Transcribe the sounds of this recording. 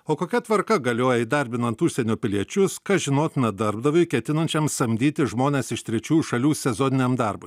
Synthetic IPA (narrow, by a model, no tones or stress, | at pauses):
oːkoːkʲɛt̪ʋɐɾkɐɡɐlʲoːjɛid̪ɐɾʲbʲɪnɐnt̪ʊʃʲsʲɛnʲoːpʲɪlʲiɛt͡ʃʲʊskɑːʒʲɪnoːt̪nʲɛd̪ɐɾbd̪ɐʋoɪkʲɛt̪ʲɪnɐnʲt͡ʃʲɛmsɐmʲd̪ʲiːt̪ʲɪʒmoːnʲeːsɪʃt̪ʲɾʲɛt͡ʃʲuːjuʃɐlʲuːsʲɛzoːnʲɪnʲemd̪ɐɾbʊj